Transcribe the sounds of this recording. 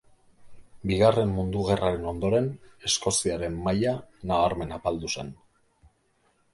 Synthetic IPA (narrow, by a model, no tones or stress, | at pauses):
biɣare̞mːund̪uɣ̞e̞raɾe̞no̞nd̪o̞ɾe̞ne̞sko̞siaɾe̞mːajanaβaɾme̞napald̪use̞n